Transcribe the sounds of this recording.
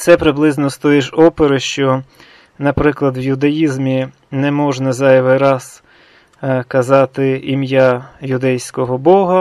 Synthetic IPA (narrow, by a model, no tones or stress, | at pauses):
t̪sɛpɾɪblˠɪznɔst̪ɔjiʒɔpeɾɪʃt͡ʃɔ | nɐpɾɪklˠɐd̪wjʊd̪ɐjizmʲi | nɛmɔʒnɐzɑjɐʋɪɾɑs | kɐzɑt̪ɪimjajʊd̪ɛjsʲkɔɦɔbɔɦɐ